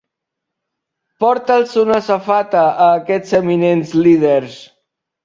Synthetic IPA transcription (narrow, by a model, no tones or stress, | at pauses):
pɔɾt̪əlsunəsafat̪əʔːkɛt͡səminenzlið̞eɾs